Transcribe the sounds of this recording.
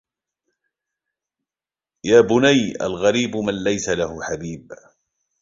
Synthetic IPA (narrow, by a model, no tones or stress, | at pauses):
jaːbʊnaja̰lɣaɾiːbʊmanlajsalahʊħabiːb